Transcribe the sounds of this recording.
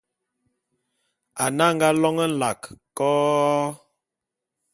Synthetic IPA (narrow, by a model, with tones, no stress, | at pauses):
a˨na˦ŋ̩˦ɡa˦lɔ˦ŋə˦n̩˦˨la˨kkɔː˦